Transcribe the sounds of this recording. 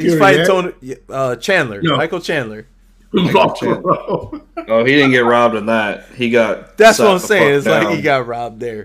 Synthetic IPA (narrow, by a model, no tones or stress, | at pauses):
fãɪ̃tʰõʊ̃njʌt͡ʃʰæ̃nlə˞maɪkl̩ˠt͡ʃʰæ̃nlˠə˞ | ɹɑb̚tʰɑb̥oʊhidɪdⁿn̩ɡɛt̚ɹɑb̚dɨ̃nðæt̚hiɡɑt̚ðætswʌãseɪɪ̃nɪzlaɪkhiɡɑt̚ɹɑb̪̚ðə˞